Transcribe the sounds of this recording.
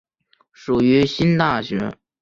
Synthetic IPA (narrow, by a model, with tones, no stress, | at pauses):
ʂu˨˩y˧˥ɕi˥nt̪a˥˩ɕɥɛ˧˥